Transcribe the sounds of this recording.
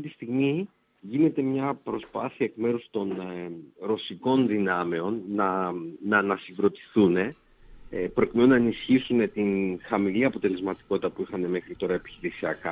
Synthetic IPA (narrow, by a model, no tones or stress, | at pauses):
ɐftit̪ist̪iɣmi | ʝine̞t̪e̞mɲɐpɾo̞spɐθiɐekme̞ɾust̪o̞n | ɾo̞siko̞nðinɐme̞o̞nːɐnɐnɐsiŋɡɾo̞t̪i̥θune̞ | pɾo̞cime̞nunɐenisçisune̞t̪inxɐmiliɐpo̞t̪e̞le̞zmɐt̪i̥ko̞t̪i̥t̪ɐpuixɐne̞mexɾit̪o̞ɾɐepi̥çiɾisiɐkɐ